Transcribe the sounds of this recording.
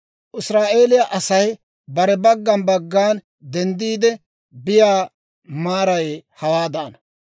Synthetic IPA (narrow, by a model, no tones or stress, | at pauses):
ʔɪsɾaːʔe̞ːlɪjaʔɐsɐj | bɐɾɛbɐɡːɐnbɐɡːaːn | d̪ɛnd̪iːd̪ɛ | bɪjaː | maːɾɐjhɐwaːd̪ɐʔɐnɐ